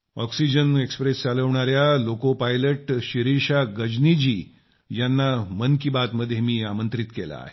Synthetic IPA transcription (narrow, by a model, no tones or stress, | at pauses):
ɔksid͡ʑənekspɾest͡saləʋɳaɾjalokopajləʈɕiɾiɾɕaɡəd͡ʑnid͡ʑiː | janːamənkibat̪məd̪ʱːjemiːamənt̪ɾit̪kela̰ːɦe